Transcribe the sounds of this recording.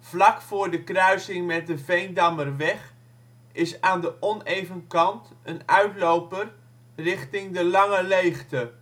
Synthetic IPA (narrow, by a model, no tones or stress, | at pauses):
v̥lɑkfʊːɹdəkrœɥsɪŋmɛt̚dəvejndɑmərʋɛχ | ɪsaːndəʔɔnejvənkɑnt | ənœɥtlowpər | rɪχtɪŋdəlɑŋəlejχtə